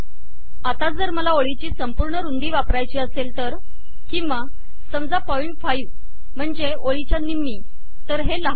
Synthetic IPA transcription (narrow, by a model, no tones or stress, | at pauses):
at̪ad͡zəɾməlaoɭit͡ɕiːsəmpuɾɳəɾund̪iːʋapɾajt͡ɕiːəselt̪əɾ | kĩwʋa | səmd͡zapɔiɳʈfajuː | m̤əɳd͡ze | oɭit͡ɕjanimːiː | t̪əɾɦelaɦ